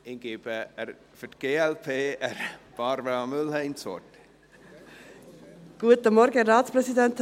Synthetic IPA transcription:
ɪnɡ̥eːb̥əəɾ | fytɡ̥eːɛlpʰeːəɾb̥ɑɾvəɑmʏlhɛɪnt͡sɔ̰t | ɡ̥uətəmɔɾɡəɾaːtspɾɛsidɛnt̪

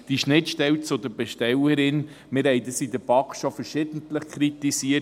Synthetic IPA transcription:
d̪̥iʃnɪtʃtɛwt͡sʊd̪əbɛʃtɛləɾɪn | mɪɾhɛɪdəsidəbɑkʃofəɾʃɪdən̩t̪ləχkʰɾitisiə

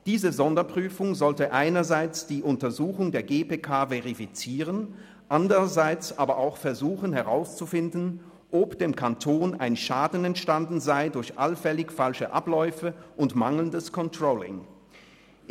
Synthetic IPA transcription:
d̥iːzəzɔndɐpʁ̥yːfʊŋzɔltəʔaɪnɐzaɪt͡sd̥iːʔʊntɐzuːxʊŋdeːɐɡeːpeːkʰaːvɛʁifit͡siːʁən | ʔandəʁɐzaɪt͡sʔaːbɐʔaʊxfɛɐzuːxənɦɛʁaʊst͡sufɪndn̩ | ʔopd̥eːmkʰantʰoːna̰ɪnʃaːdn̩ɛntʃtandn̩zaɪdʊɐçʔalfɛlɪçfalʃəʔaplɔʏfəʔʊntmaŋl̩n̩dəskʰɔntʁ̥oːlɪ̰ŋ

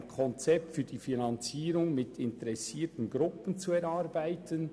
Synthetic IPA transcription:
nkʰɔnt͡sɛp̚tfyːd̥iːfinɑnt͡siːɾʊŋmɪtʰɪntɛɾɛsiːtən̩ɡɾʊpənt͡suɛɾɑːɾbaɪtən

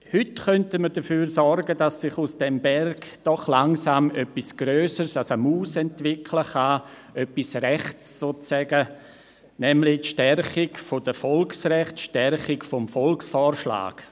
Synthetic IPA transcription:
hʏtχœntəmədəfyːɾsɔɾɡəd̥asːɪχusd̥ɛmbɛrɡd̥ɔχlaŋsaːmœpːisɡ̥ɾøːsəɾsasamuːsɛntvɪkʰləχa | ʔœpisrɛχt͡ssoːt͡sːɛɡə | nɛmlɪtʃtɛɾχɪɡfod̥əfɔlksrɛχtʃtɛɾχɪkfɔmfɔlksfɔːɾʃla̰ːɡ̥

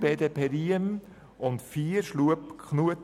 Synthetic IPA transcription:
b̥ɛːd̪əpʰɛɾiəm | ʊnt̪fiːɾʃluəpkʰχnuət

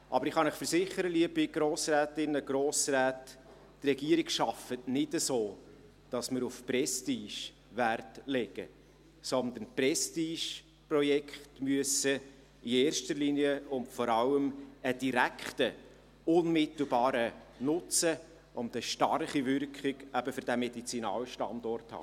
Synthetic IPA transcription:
ʔɑbəɾɪχɑnɪχfəɾsɪχəɾəliəbɪɡ̥ɾoːsræːtɪnːəɡɾoːsræːt | trɛɡ̥iəɾiɡʃɑfətnɪdəsoː | d̥ɑsməɾufprɛstiːʃ | ʋærtlɛɡ̥ə̰ | sɔnd̪ənprɛstiːʃ | prɔjɛkχtmyəsə | ieːrʃtəɾliniəʊntfɔɾɑləməd̥iɾækχtə | ʊnmɪt̪l̩ˠbɑːɾənʊt͡sə | ʔʊnt̪əʃtɑrχivʏrkχɪɡæb̥əfʏɾd̥æmɛdit͡sinɑ̰ːlʃtɑ̰ndɔrthɑ̰ː

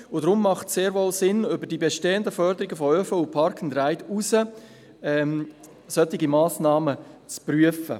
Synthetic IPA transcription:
ʊd̥ɾʊmːɑχtseːɾʋɔlsɪnʏbəɾdiːbɛʃteːənd̪əfœɾdəɾɪɡəfɔøfəupʰɑɾkʰn̩dɾaɪtusə | ɛm | sœt̪ːɪɡimɑːsnɑːmət͡spryəfə̰

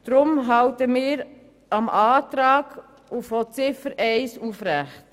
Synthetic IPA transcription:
d̥ɾʊmɦɑʊtəmɪːɾ | ʔɑmʔɑːtɾɑːɡ̥ | ufot͡sɪfəɾʔɛɪsuːfɾæχt

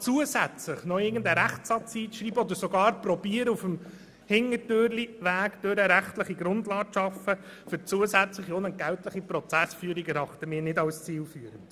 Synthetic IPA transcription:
t͡suəsæt͡slɪχnɔɪɡəndəɾæχtsɑt͡siːʃriːbəɔd̪əɾsɔɡɑːɾprɔbiːəɾəufəm | hɪŋətøːɾliʋæːɡ̥d̥̪øɾəɾæχtləχiɡɾʊndlɑːʃɑfːə | fʏɾt͡suəsæt͡sləχionəɡ̥æltləχipɾɔt͡sæsfyːɾiɡɛɾɑχt̪əmɪːɾnɪdɑwst͡siːlfyːəɾənd̥

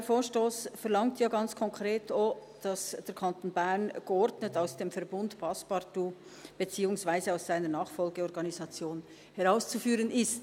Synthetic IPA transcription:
foːʃtoːsfɛʁlɑŋktʰjaːɡɑnt͡skʰɔŋkʁeːtʰo | d̥ɑsd̥eːɾkʰantoːnbɛnɡ̥əɔɾdnətaʊsd̥eːmfɛɾbʊntpʰaspɑtu | b̥ət͡siːʊŋsvaɪzəaʊsz̥aɪnənɑːχfɔlɡəɔɾɡɑnizɑt͡sjoːn | hɛʁaʊst͡sufyːʁənɪst

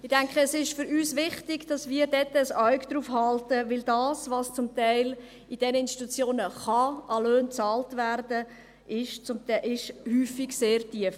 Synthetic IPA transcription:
ɪd̥æŋkχəːsɪʃfʏɾyːsʋɪχtɪɡd̥ɑsmiːəɾdɛtːəːsœɥɡd̥̪ɾuːfhɑltəʋɪldɑːsʋɑst͡sʊmt̪ɛɪl | id̥ɛnəɪnst̪i̥t̪ut͡sjoːnəχɑʔɑløːnt͡sɑːltʋærdə | ʔɪʃt͡sʊmtɛʔɪʃhyːfɪɡseːrtiəf

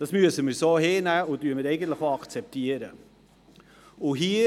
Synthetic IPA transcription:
d̥ɑsmyəsəməɾsoːɦeːnæːʊnttyːəməɾɛɪɡən̩tlɪχoɑkt͡sɛp̚tiəɾə | ʊɦiː

